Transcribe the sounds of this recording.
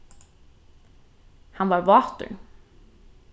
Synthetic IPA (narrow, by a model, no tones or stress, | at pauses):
hɑnʋɑːɾʋɑːt̪ə̰ɳ